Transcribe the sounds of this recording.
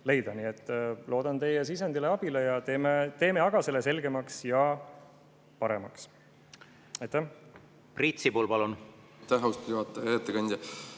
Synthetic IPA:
le̞jd̪ɑniːet̪ˑːlʔo̞ːd̪̥ɑnt̪e̞jesisɑnd̪ile̞ɑb̥ilejɑt̪eːmet̪e̞ːmeɑɡ̥ɑse̞lese̞lɡ̥e̞mɑksjɑ | pɑɾe̞mɑks | ɑjt̪ːæh | prit̪sipulpɑlun | t̪æɦust̪juɑt̪ːˑɑet̪ːekɑnʲd̪̥ʲjɑ

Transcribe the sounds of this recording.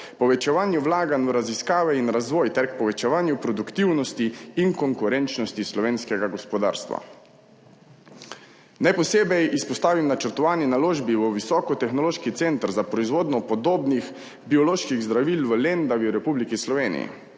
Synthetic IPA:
pɔʋɛt͡ʃɛʋaːnjuʋlaːɡanɾaziskaːʋɛinɾazʋɔːjt̪ɛɾkpɔʋɛt͡ʃɛʋaːnjupɾɔd̪ukt̪iwnɔst̪iːŋkɔŋkuɾɛnt͡ʃnɔst̪islɔʋeːnskɛɡaɡɔspɔd̪a̰ːɾst̪ʋa̰ | najpɔseːbɛjispɔst̪aːʋimnat͡ʃəɾt̪ɔʋaːninaloːʒbiʋəʋisɔkɔt̪ɛxnɔloːʃkit̪sent̪ɾzapɾɔizʋoːd̪nɔpɔd̪oːbnix | biɔloːʃkiɣzd̪ɾaʋilʋəlend̪aʋiwɾɛpublikislɔʋeːnḭḭ

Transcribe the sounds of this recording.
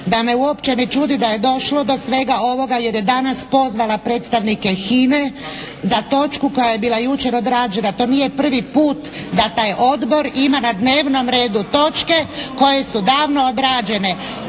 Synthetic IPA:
d̪ame̞uo̞pt͡ʃe̞net͡ʃud̪id̪aje̞d̪o̞ʃlo̞d̪o̞sʋe̞ɡao̞ʋo̞ɡaje̞ɾje̞d̪anaspo̞zʋalapɾe̞ːt̪st̪aʋnike̞xine | zat̪o̞t͡ʃkuko̞jaje̞biːlˠajut͡ʃe̞ɾo̞d̪ɾaːd͡ʒe̞nat̪o̞ːnije̞pr̩ʋipuːt̪d̪at̪aːjʔo̞d̪bo̞ɾimanad̪ne̞ːʋno̞mɾe̞ːd̪ut̪o̞t͡ʃke̞ko̞je̞sud̪aːʋno̞od̪ɾaːd͡ʒe̞ne̞

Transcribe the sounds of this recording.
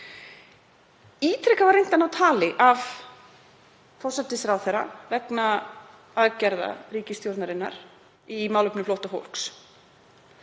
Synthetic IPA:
iːt̪ɾɛhkavaɾrːejn̥t̪anawt̪ʰaːlɪʔav | fɔrsat̪ɪsɾawθɛɾa̰vɛkna | aðcɛɾða̰riːcɪst̪jowɾt̪naɾɪnːa̰ɾ̥ | imaːwlœpnɪflowht̪afo̰wl̥ks

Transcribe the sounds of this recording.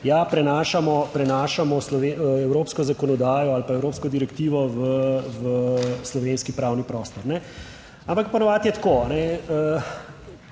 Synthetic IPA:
japɾɛnaːʃamɔpɾɛnaːʃamɔslɔʋeɛwɾoːpskɔzakɔnɔd̪aːjɔalpaɛwɾoːpskɔd̪iɾɛkt̪iːʋɔʋəʋəslɔʋenskipɾaːwnipɾɔːst̪ɔɾnɛ | ampakpɔnɔʋaːt̪jɛt̪koanɛə

